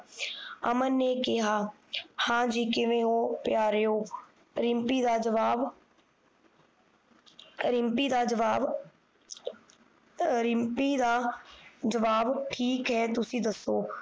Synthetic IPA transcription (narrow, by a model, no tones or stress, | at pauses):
əmənːeːkɪɦaː | hãːd͡ʒiːkɪʋẽːõːpɪjaːɾeoː | ɾɪmpiːd̪aːd͡ʒəʋaːʋ | ɾɪmpiːd̪aːd͡ʒəʋaːʋ | ɾɪmpiːd̪aːd͡ʒəʋaːʋʈʰiːkɦɛːt̪ʊsĩːd̪əsːoː